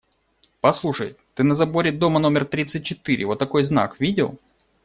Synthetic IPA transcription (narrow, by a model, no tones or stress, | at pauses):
pɐslˠuʂə̰jt̪ɨnɐzɐbo̞ɾʲɪd̪o̞məno̞mʲɪrt̪ɾʲit̪sɨt̚ʲt͡ɕːɪt̪ɨɾʲʔɪ̰vo̞t̪ːɐko̞jzna̰kvʲidʲɪ̰lˠ